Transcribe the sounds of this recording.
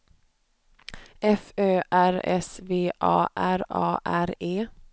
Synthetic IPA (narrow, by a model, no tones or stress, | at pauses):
ʔɛføːʔæɾɛ̰sveːʔɑ̰ːʔæɾɑ̰ːʔæɾeː